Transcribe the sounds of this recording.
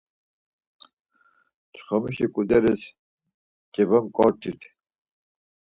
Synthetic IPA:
t͡ʃʰχɔmiʃikʼud̪ɛɾɛs | t͡ʃʼɛbəmkʼɔɾt̪ʰit̪ʰ

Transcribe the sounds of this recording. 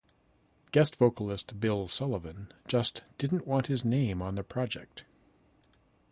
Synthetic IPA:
ɡ̥ɛstv̥oʊkl̩ˠɪst̚b̥ɪlˠsɑlˠəvɨ̃nd͡ʒʌstd̥ɪdⁿn̩ʔwɑ̃nt̚hɨznẽɪ̃mə̃nðɨpʰɹ̥ɑd͡ʒɛ̰k̚t̚

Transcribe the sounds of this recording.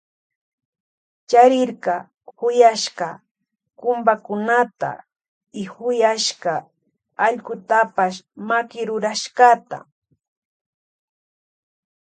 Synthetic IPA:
t͡ʃaɾɪɾɢɑ | hʊjaʃɢɑ | kʊmbakʊnat̪a̰ | ɪhʊjaʃɢɑː | ʎkʊt̪apaʃmakɪɾʊɾaʃɢɑt̪a̰

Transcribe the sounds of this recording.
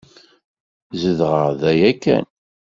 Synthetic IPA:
zəðʁəʁðæjækːæ̰n

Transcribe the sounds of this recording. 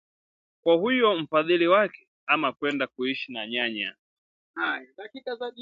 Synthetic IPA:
kwahujɔm̩faðiliwakɛ̥ | amakwɛndakuiʃinaɲaɲa̰ | hajaɗakikazaɗi

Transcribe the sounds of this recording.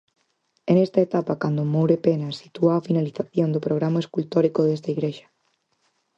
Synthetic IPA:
enest̪ɐet̪apakand̪omowɾepenasi̥t̪uaːfinaliθaθjond̪ʊpɾoɣɾamaeskult̪oɾikoðes̬t̪aiɣɾeʃɐ̥

